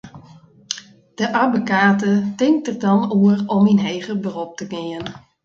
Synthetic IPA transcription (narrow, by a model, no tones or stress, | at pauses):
d̥əʔabəkaːtətɪŋk̚tərdɔnuərɔminɦeːɣəbərɔp̚təɡɪən